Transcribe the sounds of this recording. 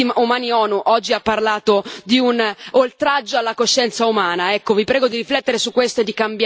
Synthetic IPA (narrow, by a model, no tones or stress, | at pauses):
imumaːniɔːnuʔɔd͡ʒːiapːarlaːt̪od̪iunolt̪ɾad͡ʒːoalːakoʃːɛnt̪saumaːnaɛkːovipɾɛːɡod̪iɾiflɛt̪ːeɾesukːwest̪oed̪ːikambj